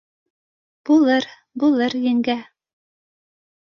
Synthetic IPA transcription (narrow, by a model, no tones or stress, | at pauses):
b̥ulˠɤɾ | bulˠɤɾjɘ̆ŋɡæ